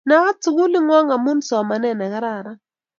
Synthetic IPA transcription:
na˨˦wa˦t͡su˨ku˦li˦ŋwa˦ŋa˨mu˦nsɔ˨ma˨nɛ˦˨na˨ka˦ɾaː˦˨ɾa˦

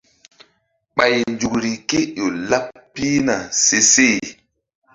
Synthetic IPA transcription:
ɓa˨jnd͡ʒu˨kɾi˨ke˦ɗo˨la˦pːi˦na˨se˨se˦˨

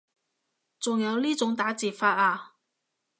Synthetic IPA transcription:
t͡sʊ˨ŋjɐ˨˧wliː˥t͡sʊ˨˥ŋt̪aː˨˥t͡siː˨˩faː˧t̚aː˧

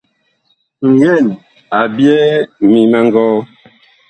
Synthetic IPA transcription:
ŋ̩˨jɛ˦˨n | a˨bjɛ˦mi˨mɛ˦ŋ˦ɡɔː˦

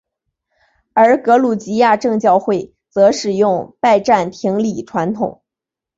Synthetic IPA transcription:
ə˞˧˥kɤ˧˥lu˨˩t͡ɕi˧˥ja˥˧ʈ͡ʂɤ˥˧ŋt͡ɕjɑ˥˧ʊxwe˥˩ɪ | t͡sɤ˧˥ʂɻ̩˨˩jʊ˥˧ŋpa˥˧ɪʈ͡ʂa˥˩nt̪ʰi˧˥ŋli˨˩ʈ͡ʂʰwa˧˥nt̪ʰʊ˨˩˦ŋ

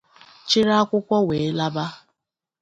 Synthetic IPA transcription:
t͡ʃɪ˦ɾa˦kʷʊ˦kʷɔ˦we˨˦la˦ba˦

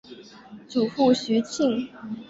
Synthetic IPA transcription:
t͡su˨˩fu˥˩ɕy˧˥t͡ɕʰi˥˩

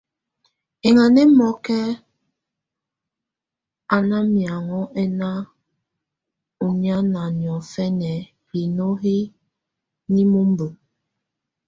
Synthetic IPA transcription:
e˨ŋa˨ne˦mɔ˨˦kɛ˦ | a˨na˦mi˨a˨ŋɔ˦ʔɛ˦na˦ | u˨ɲ˦a˦na˨njɔ˨fɛ˦nɛ˨ | hi˨no˦ɦe˦ | ni˦mu˦m̩˦bə˨

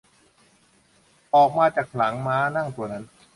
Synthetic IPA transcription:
ʔɔː˨˩k̚maː˧t͡ɕaː˨˩k̚la˩˦ŋmaː˦˥na˥˩ŋt̪u˧ɐna˦˥n

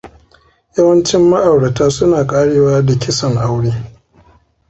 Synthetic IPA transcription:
ja˦wɐ˦nt͡ʃɪ˦mːɐ˦ʔa˨wɽɐ˨taː˦sʊ˦naː˨kʼaː˦ɽeː˨waː˦da˨kʲɪ˦sɐ˨ŋʔa˦wɽeː˦

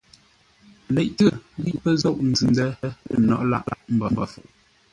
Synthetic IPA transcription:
lɛ˨ʔtə˦˨˦ɣi˦ʔpə˦zɔ˦˨ʔn̩˨zʉ˨ndɛ˦ə̰˨nɔ̰˨ʔla̰˦ʔa̰˦˨ʔm̩˦bɔ˨˦ba˨fu˨ʔ

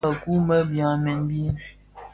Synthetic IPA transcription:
a˨ku˦mə˦bjã˨˦mɛ˨n˦bi˦

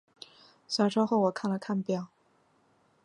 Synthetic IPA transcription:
ɕɑ˧˥ʂo˥xo˥˩ʊwɔ˨˩kʰa˥˩nlə˩kʰa˥˧npjɑ˥˩ʊ

